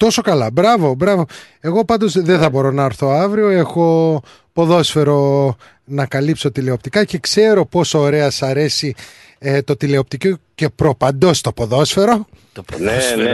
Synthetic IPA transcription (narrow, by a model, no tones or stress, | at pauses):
t̪o̞so̞kɐlɐbɾɐvo̞bɾɐvo̞ | e̞ɣo̞pɐnd̪o̞zðeθɐbo̞ɾo̞nɐːɾθo̞ɐvɾio̞e̞xo̞ | po̞ðo̞sfe̞ɾo̞ | nɐkɐlipso̞t̪ile̞o̞pt̪ikɐce̞kse̞ɾo̞po̞soːɾe̞ɐsɐɾe̞si | t̪o̞t̪ile̞o̞p̚t̪icoce̞pɾo̞pɐnd̪o̞st̪o̞poðo̞sfe̞ɾo̞ | p